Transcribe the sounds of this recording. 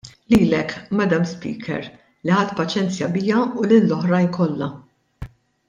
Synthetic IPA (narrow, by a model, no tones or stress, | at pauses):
liːlɛkmɛd̪ɐmspḭːkʰɛ̰ɾ | liħɐt̪ːpɐt͡ʃɛnt͡sjɐbɪjɐʊlɪlːɔħɾɐjnkɔlːɐ